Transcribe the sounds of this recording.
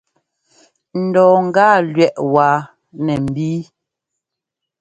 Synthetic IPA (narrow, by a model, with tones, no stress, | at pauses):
n̩˨dɔː˨ŋ̩˦ɡaː˦˨lɥɛ˦˨ʔwaː˨ | nɛ˨m̩˨biː˦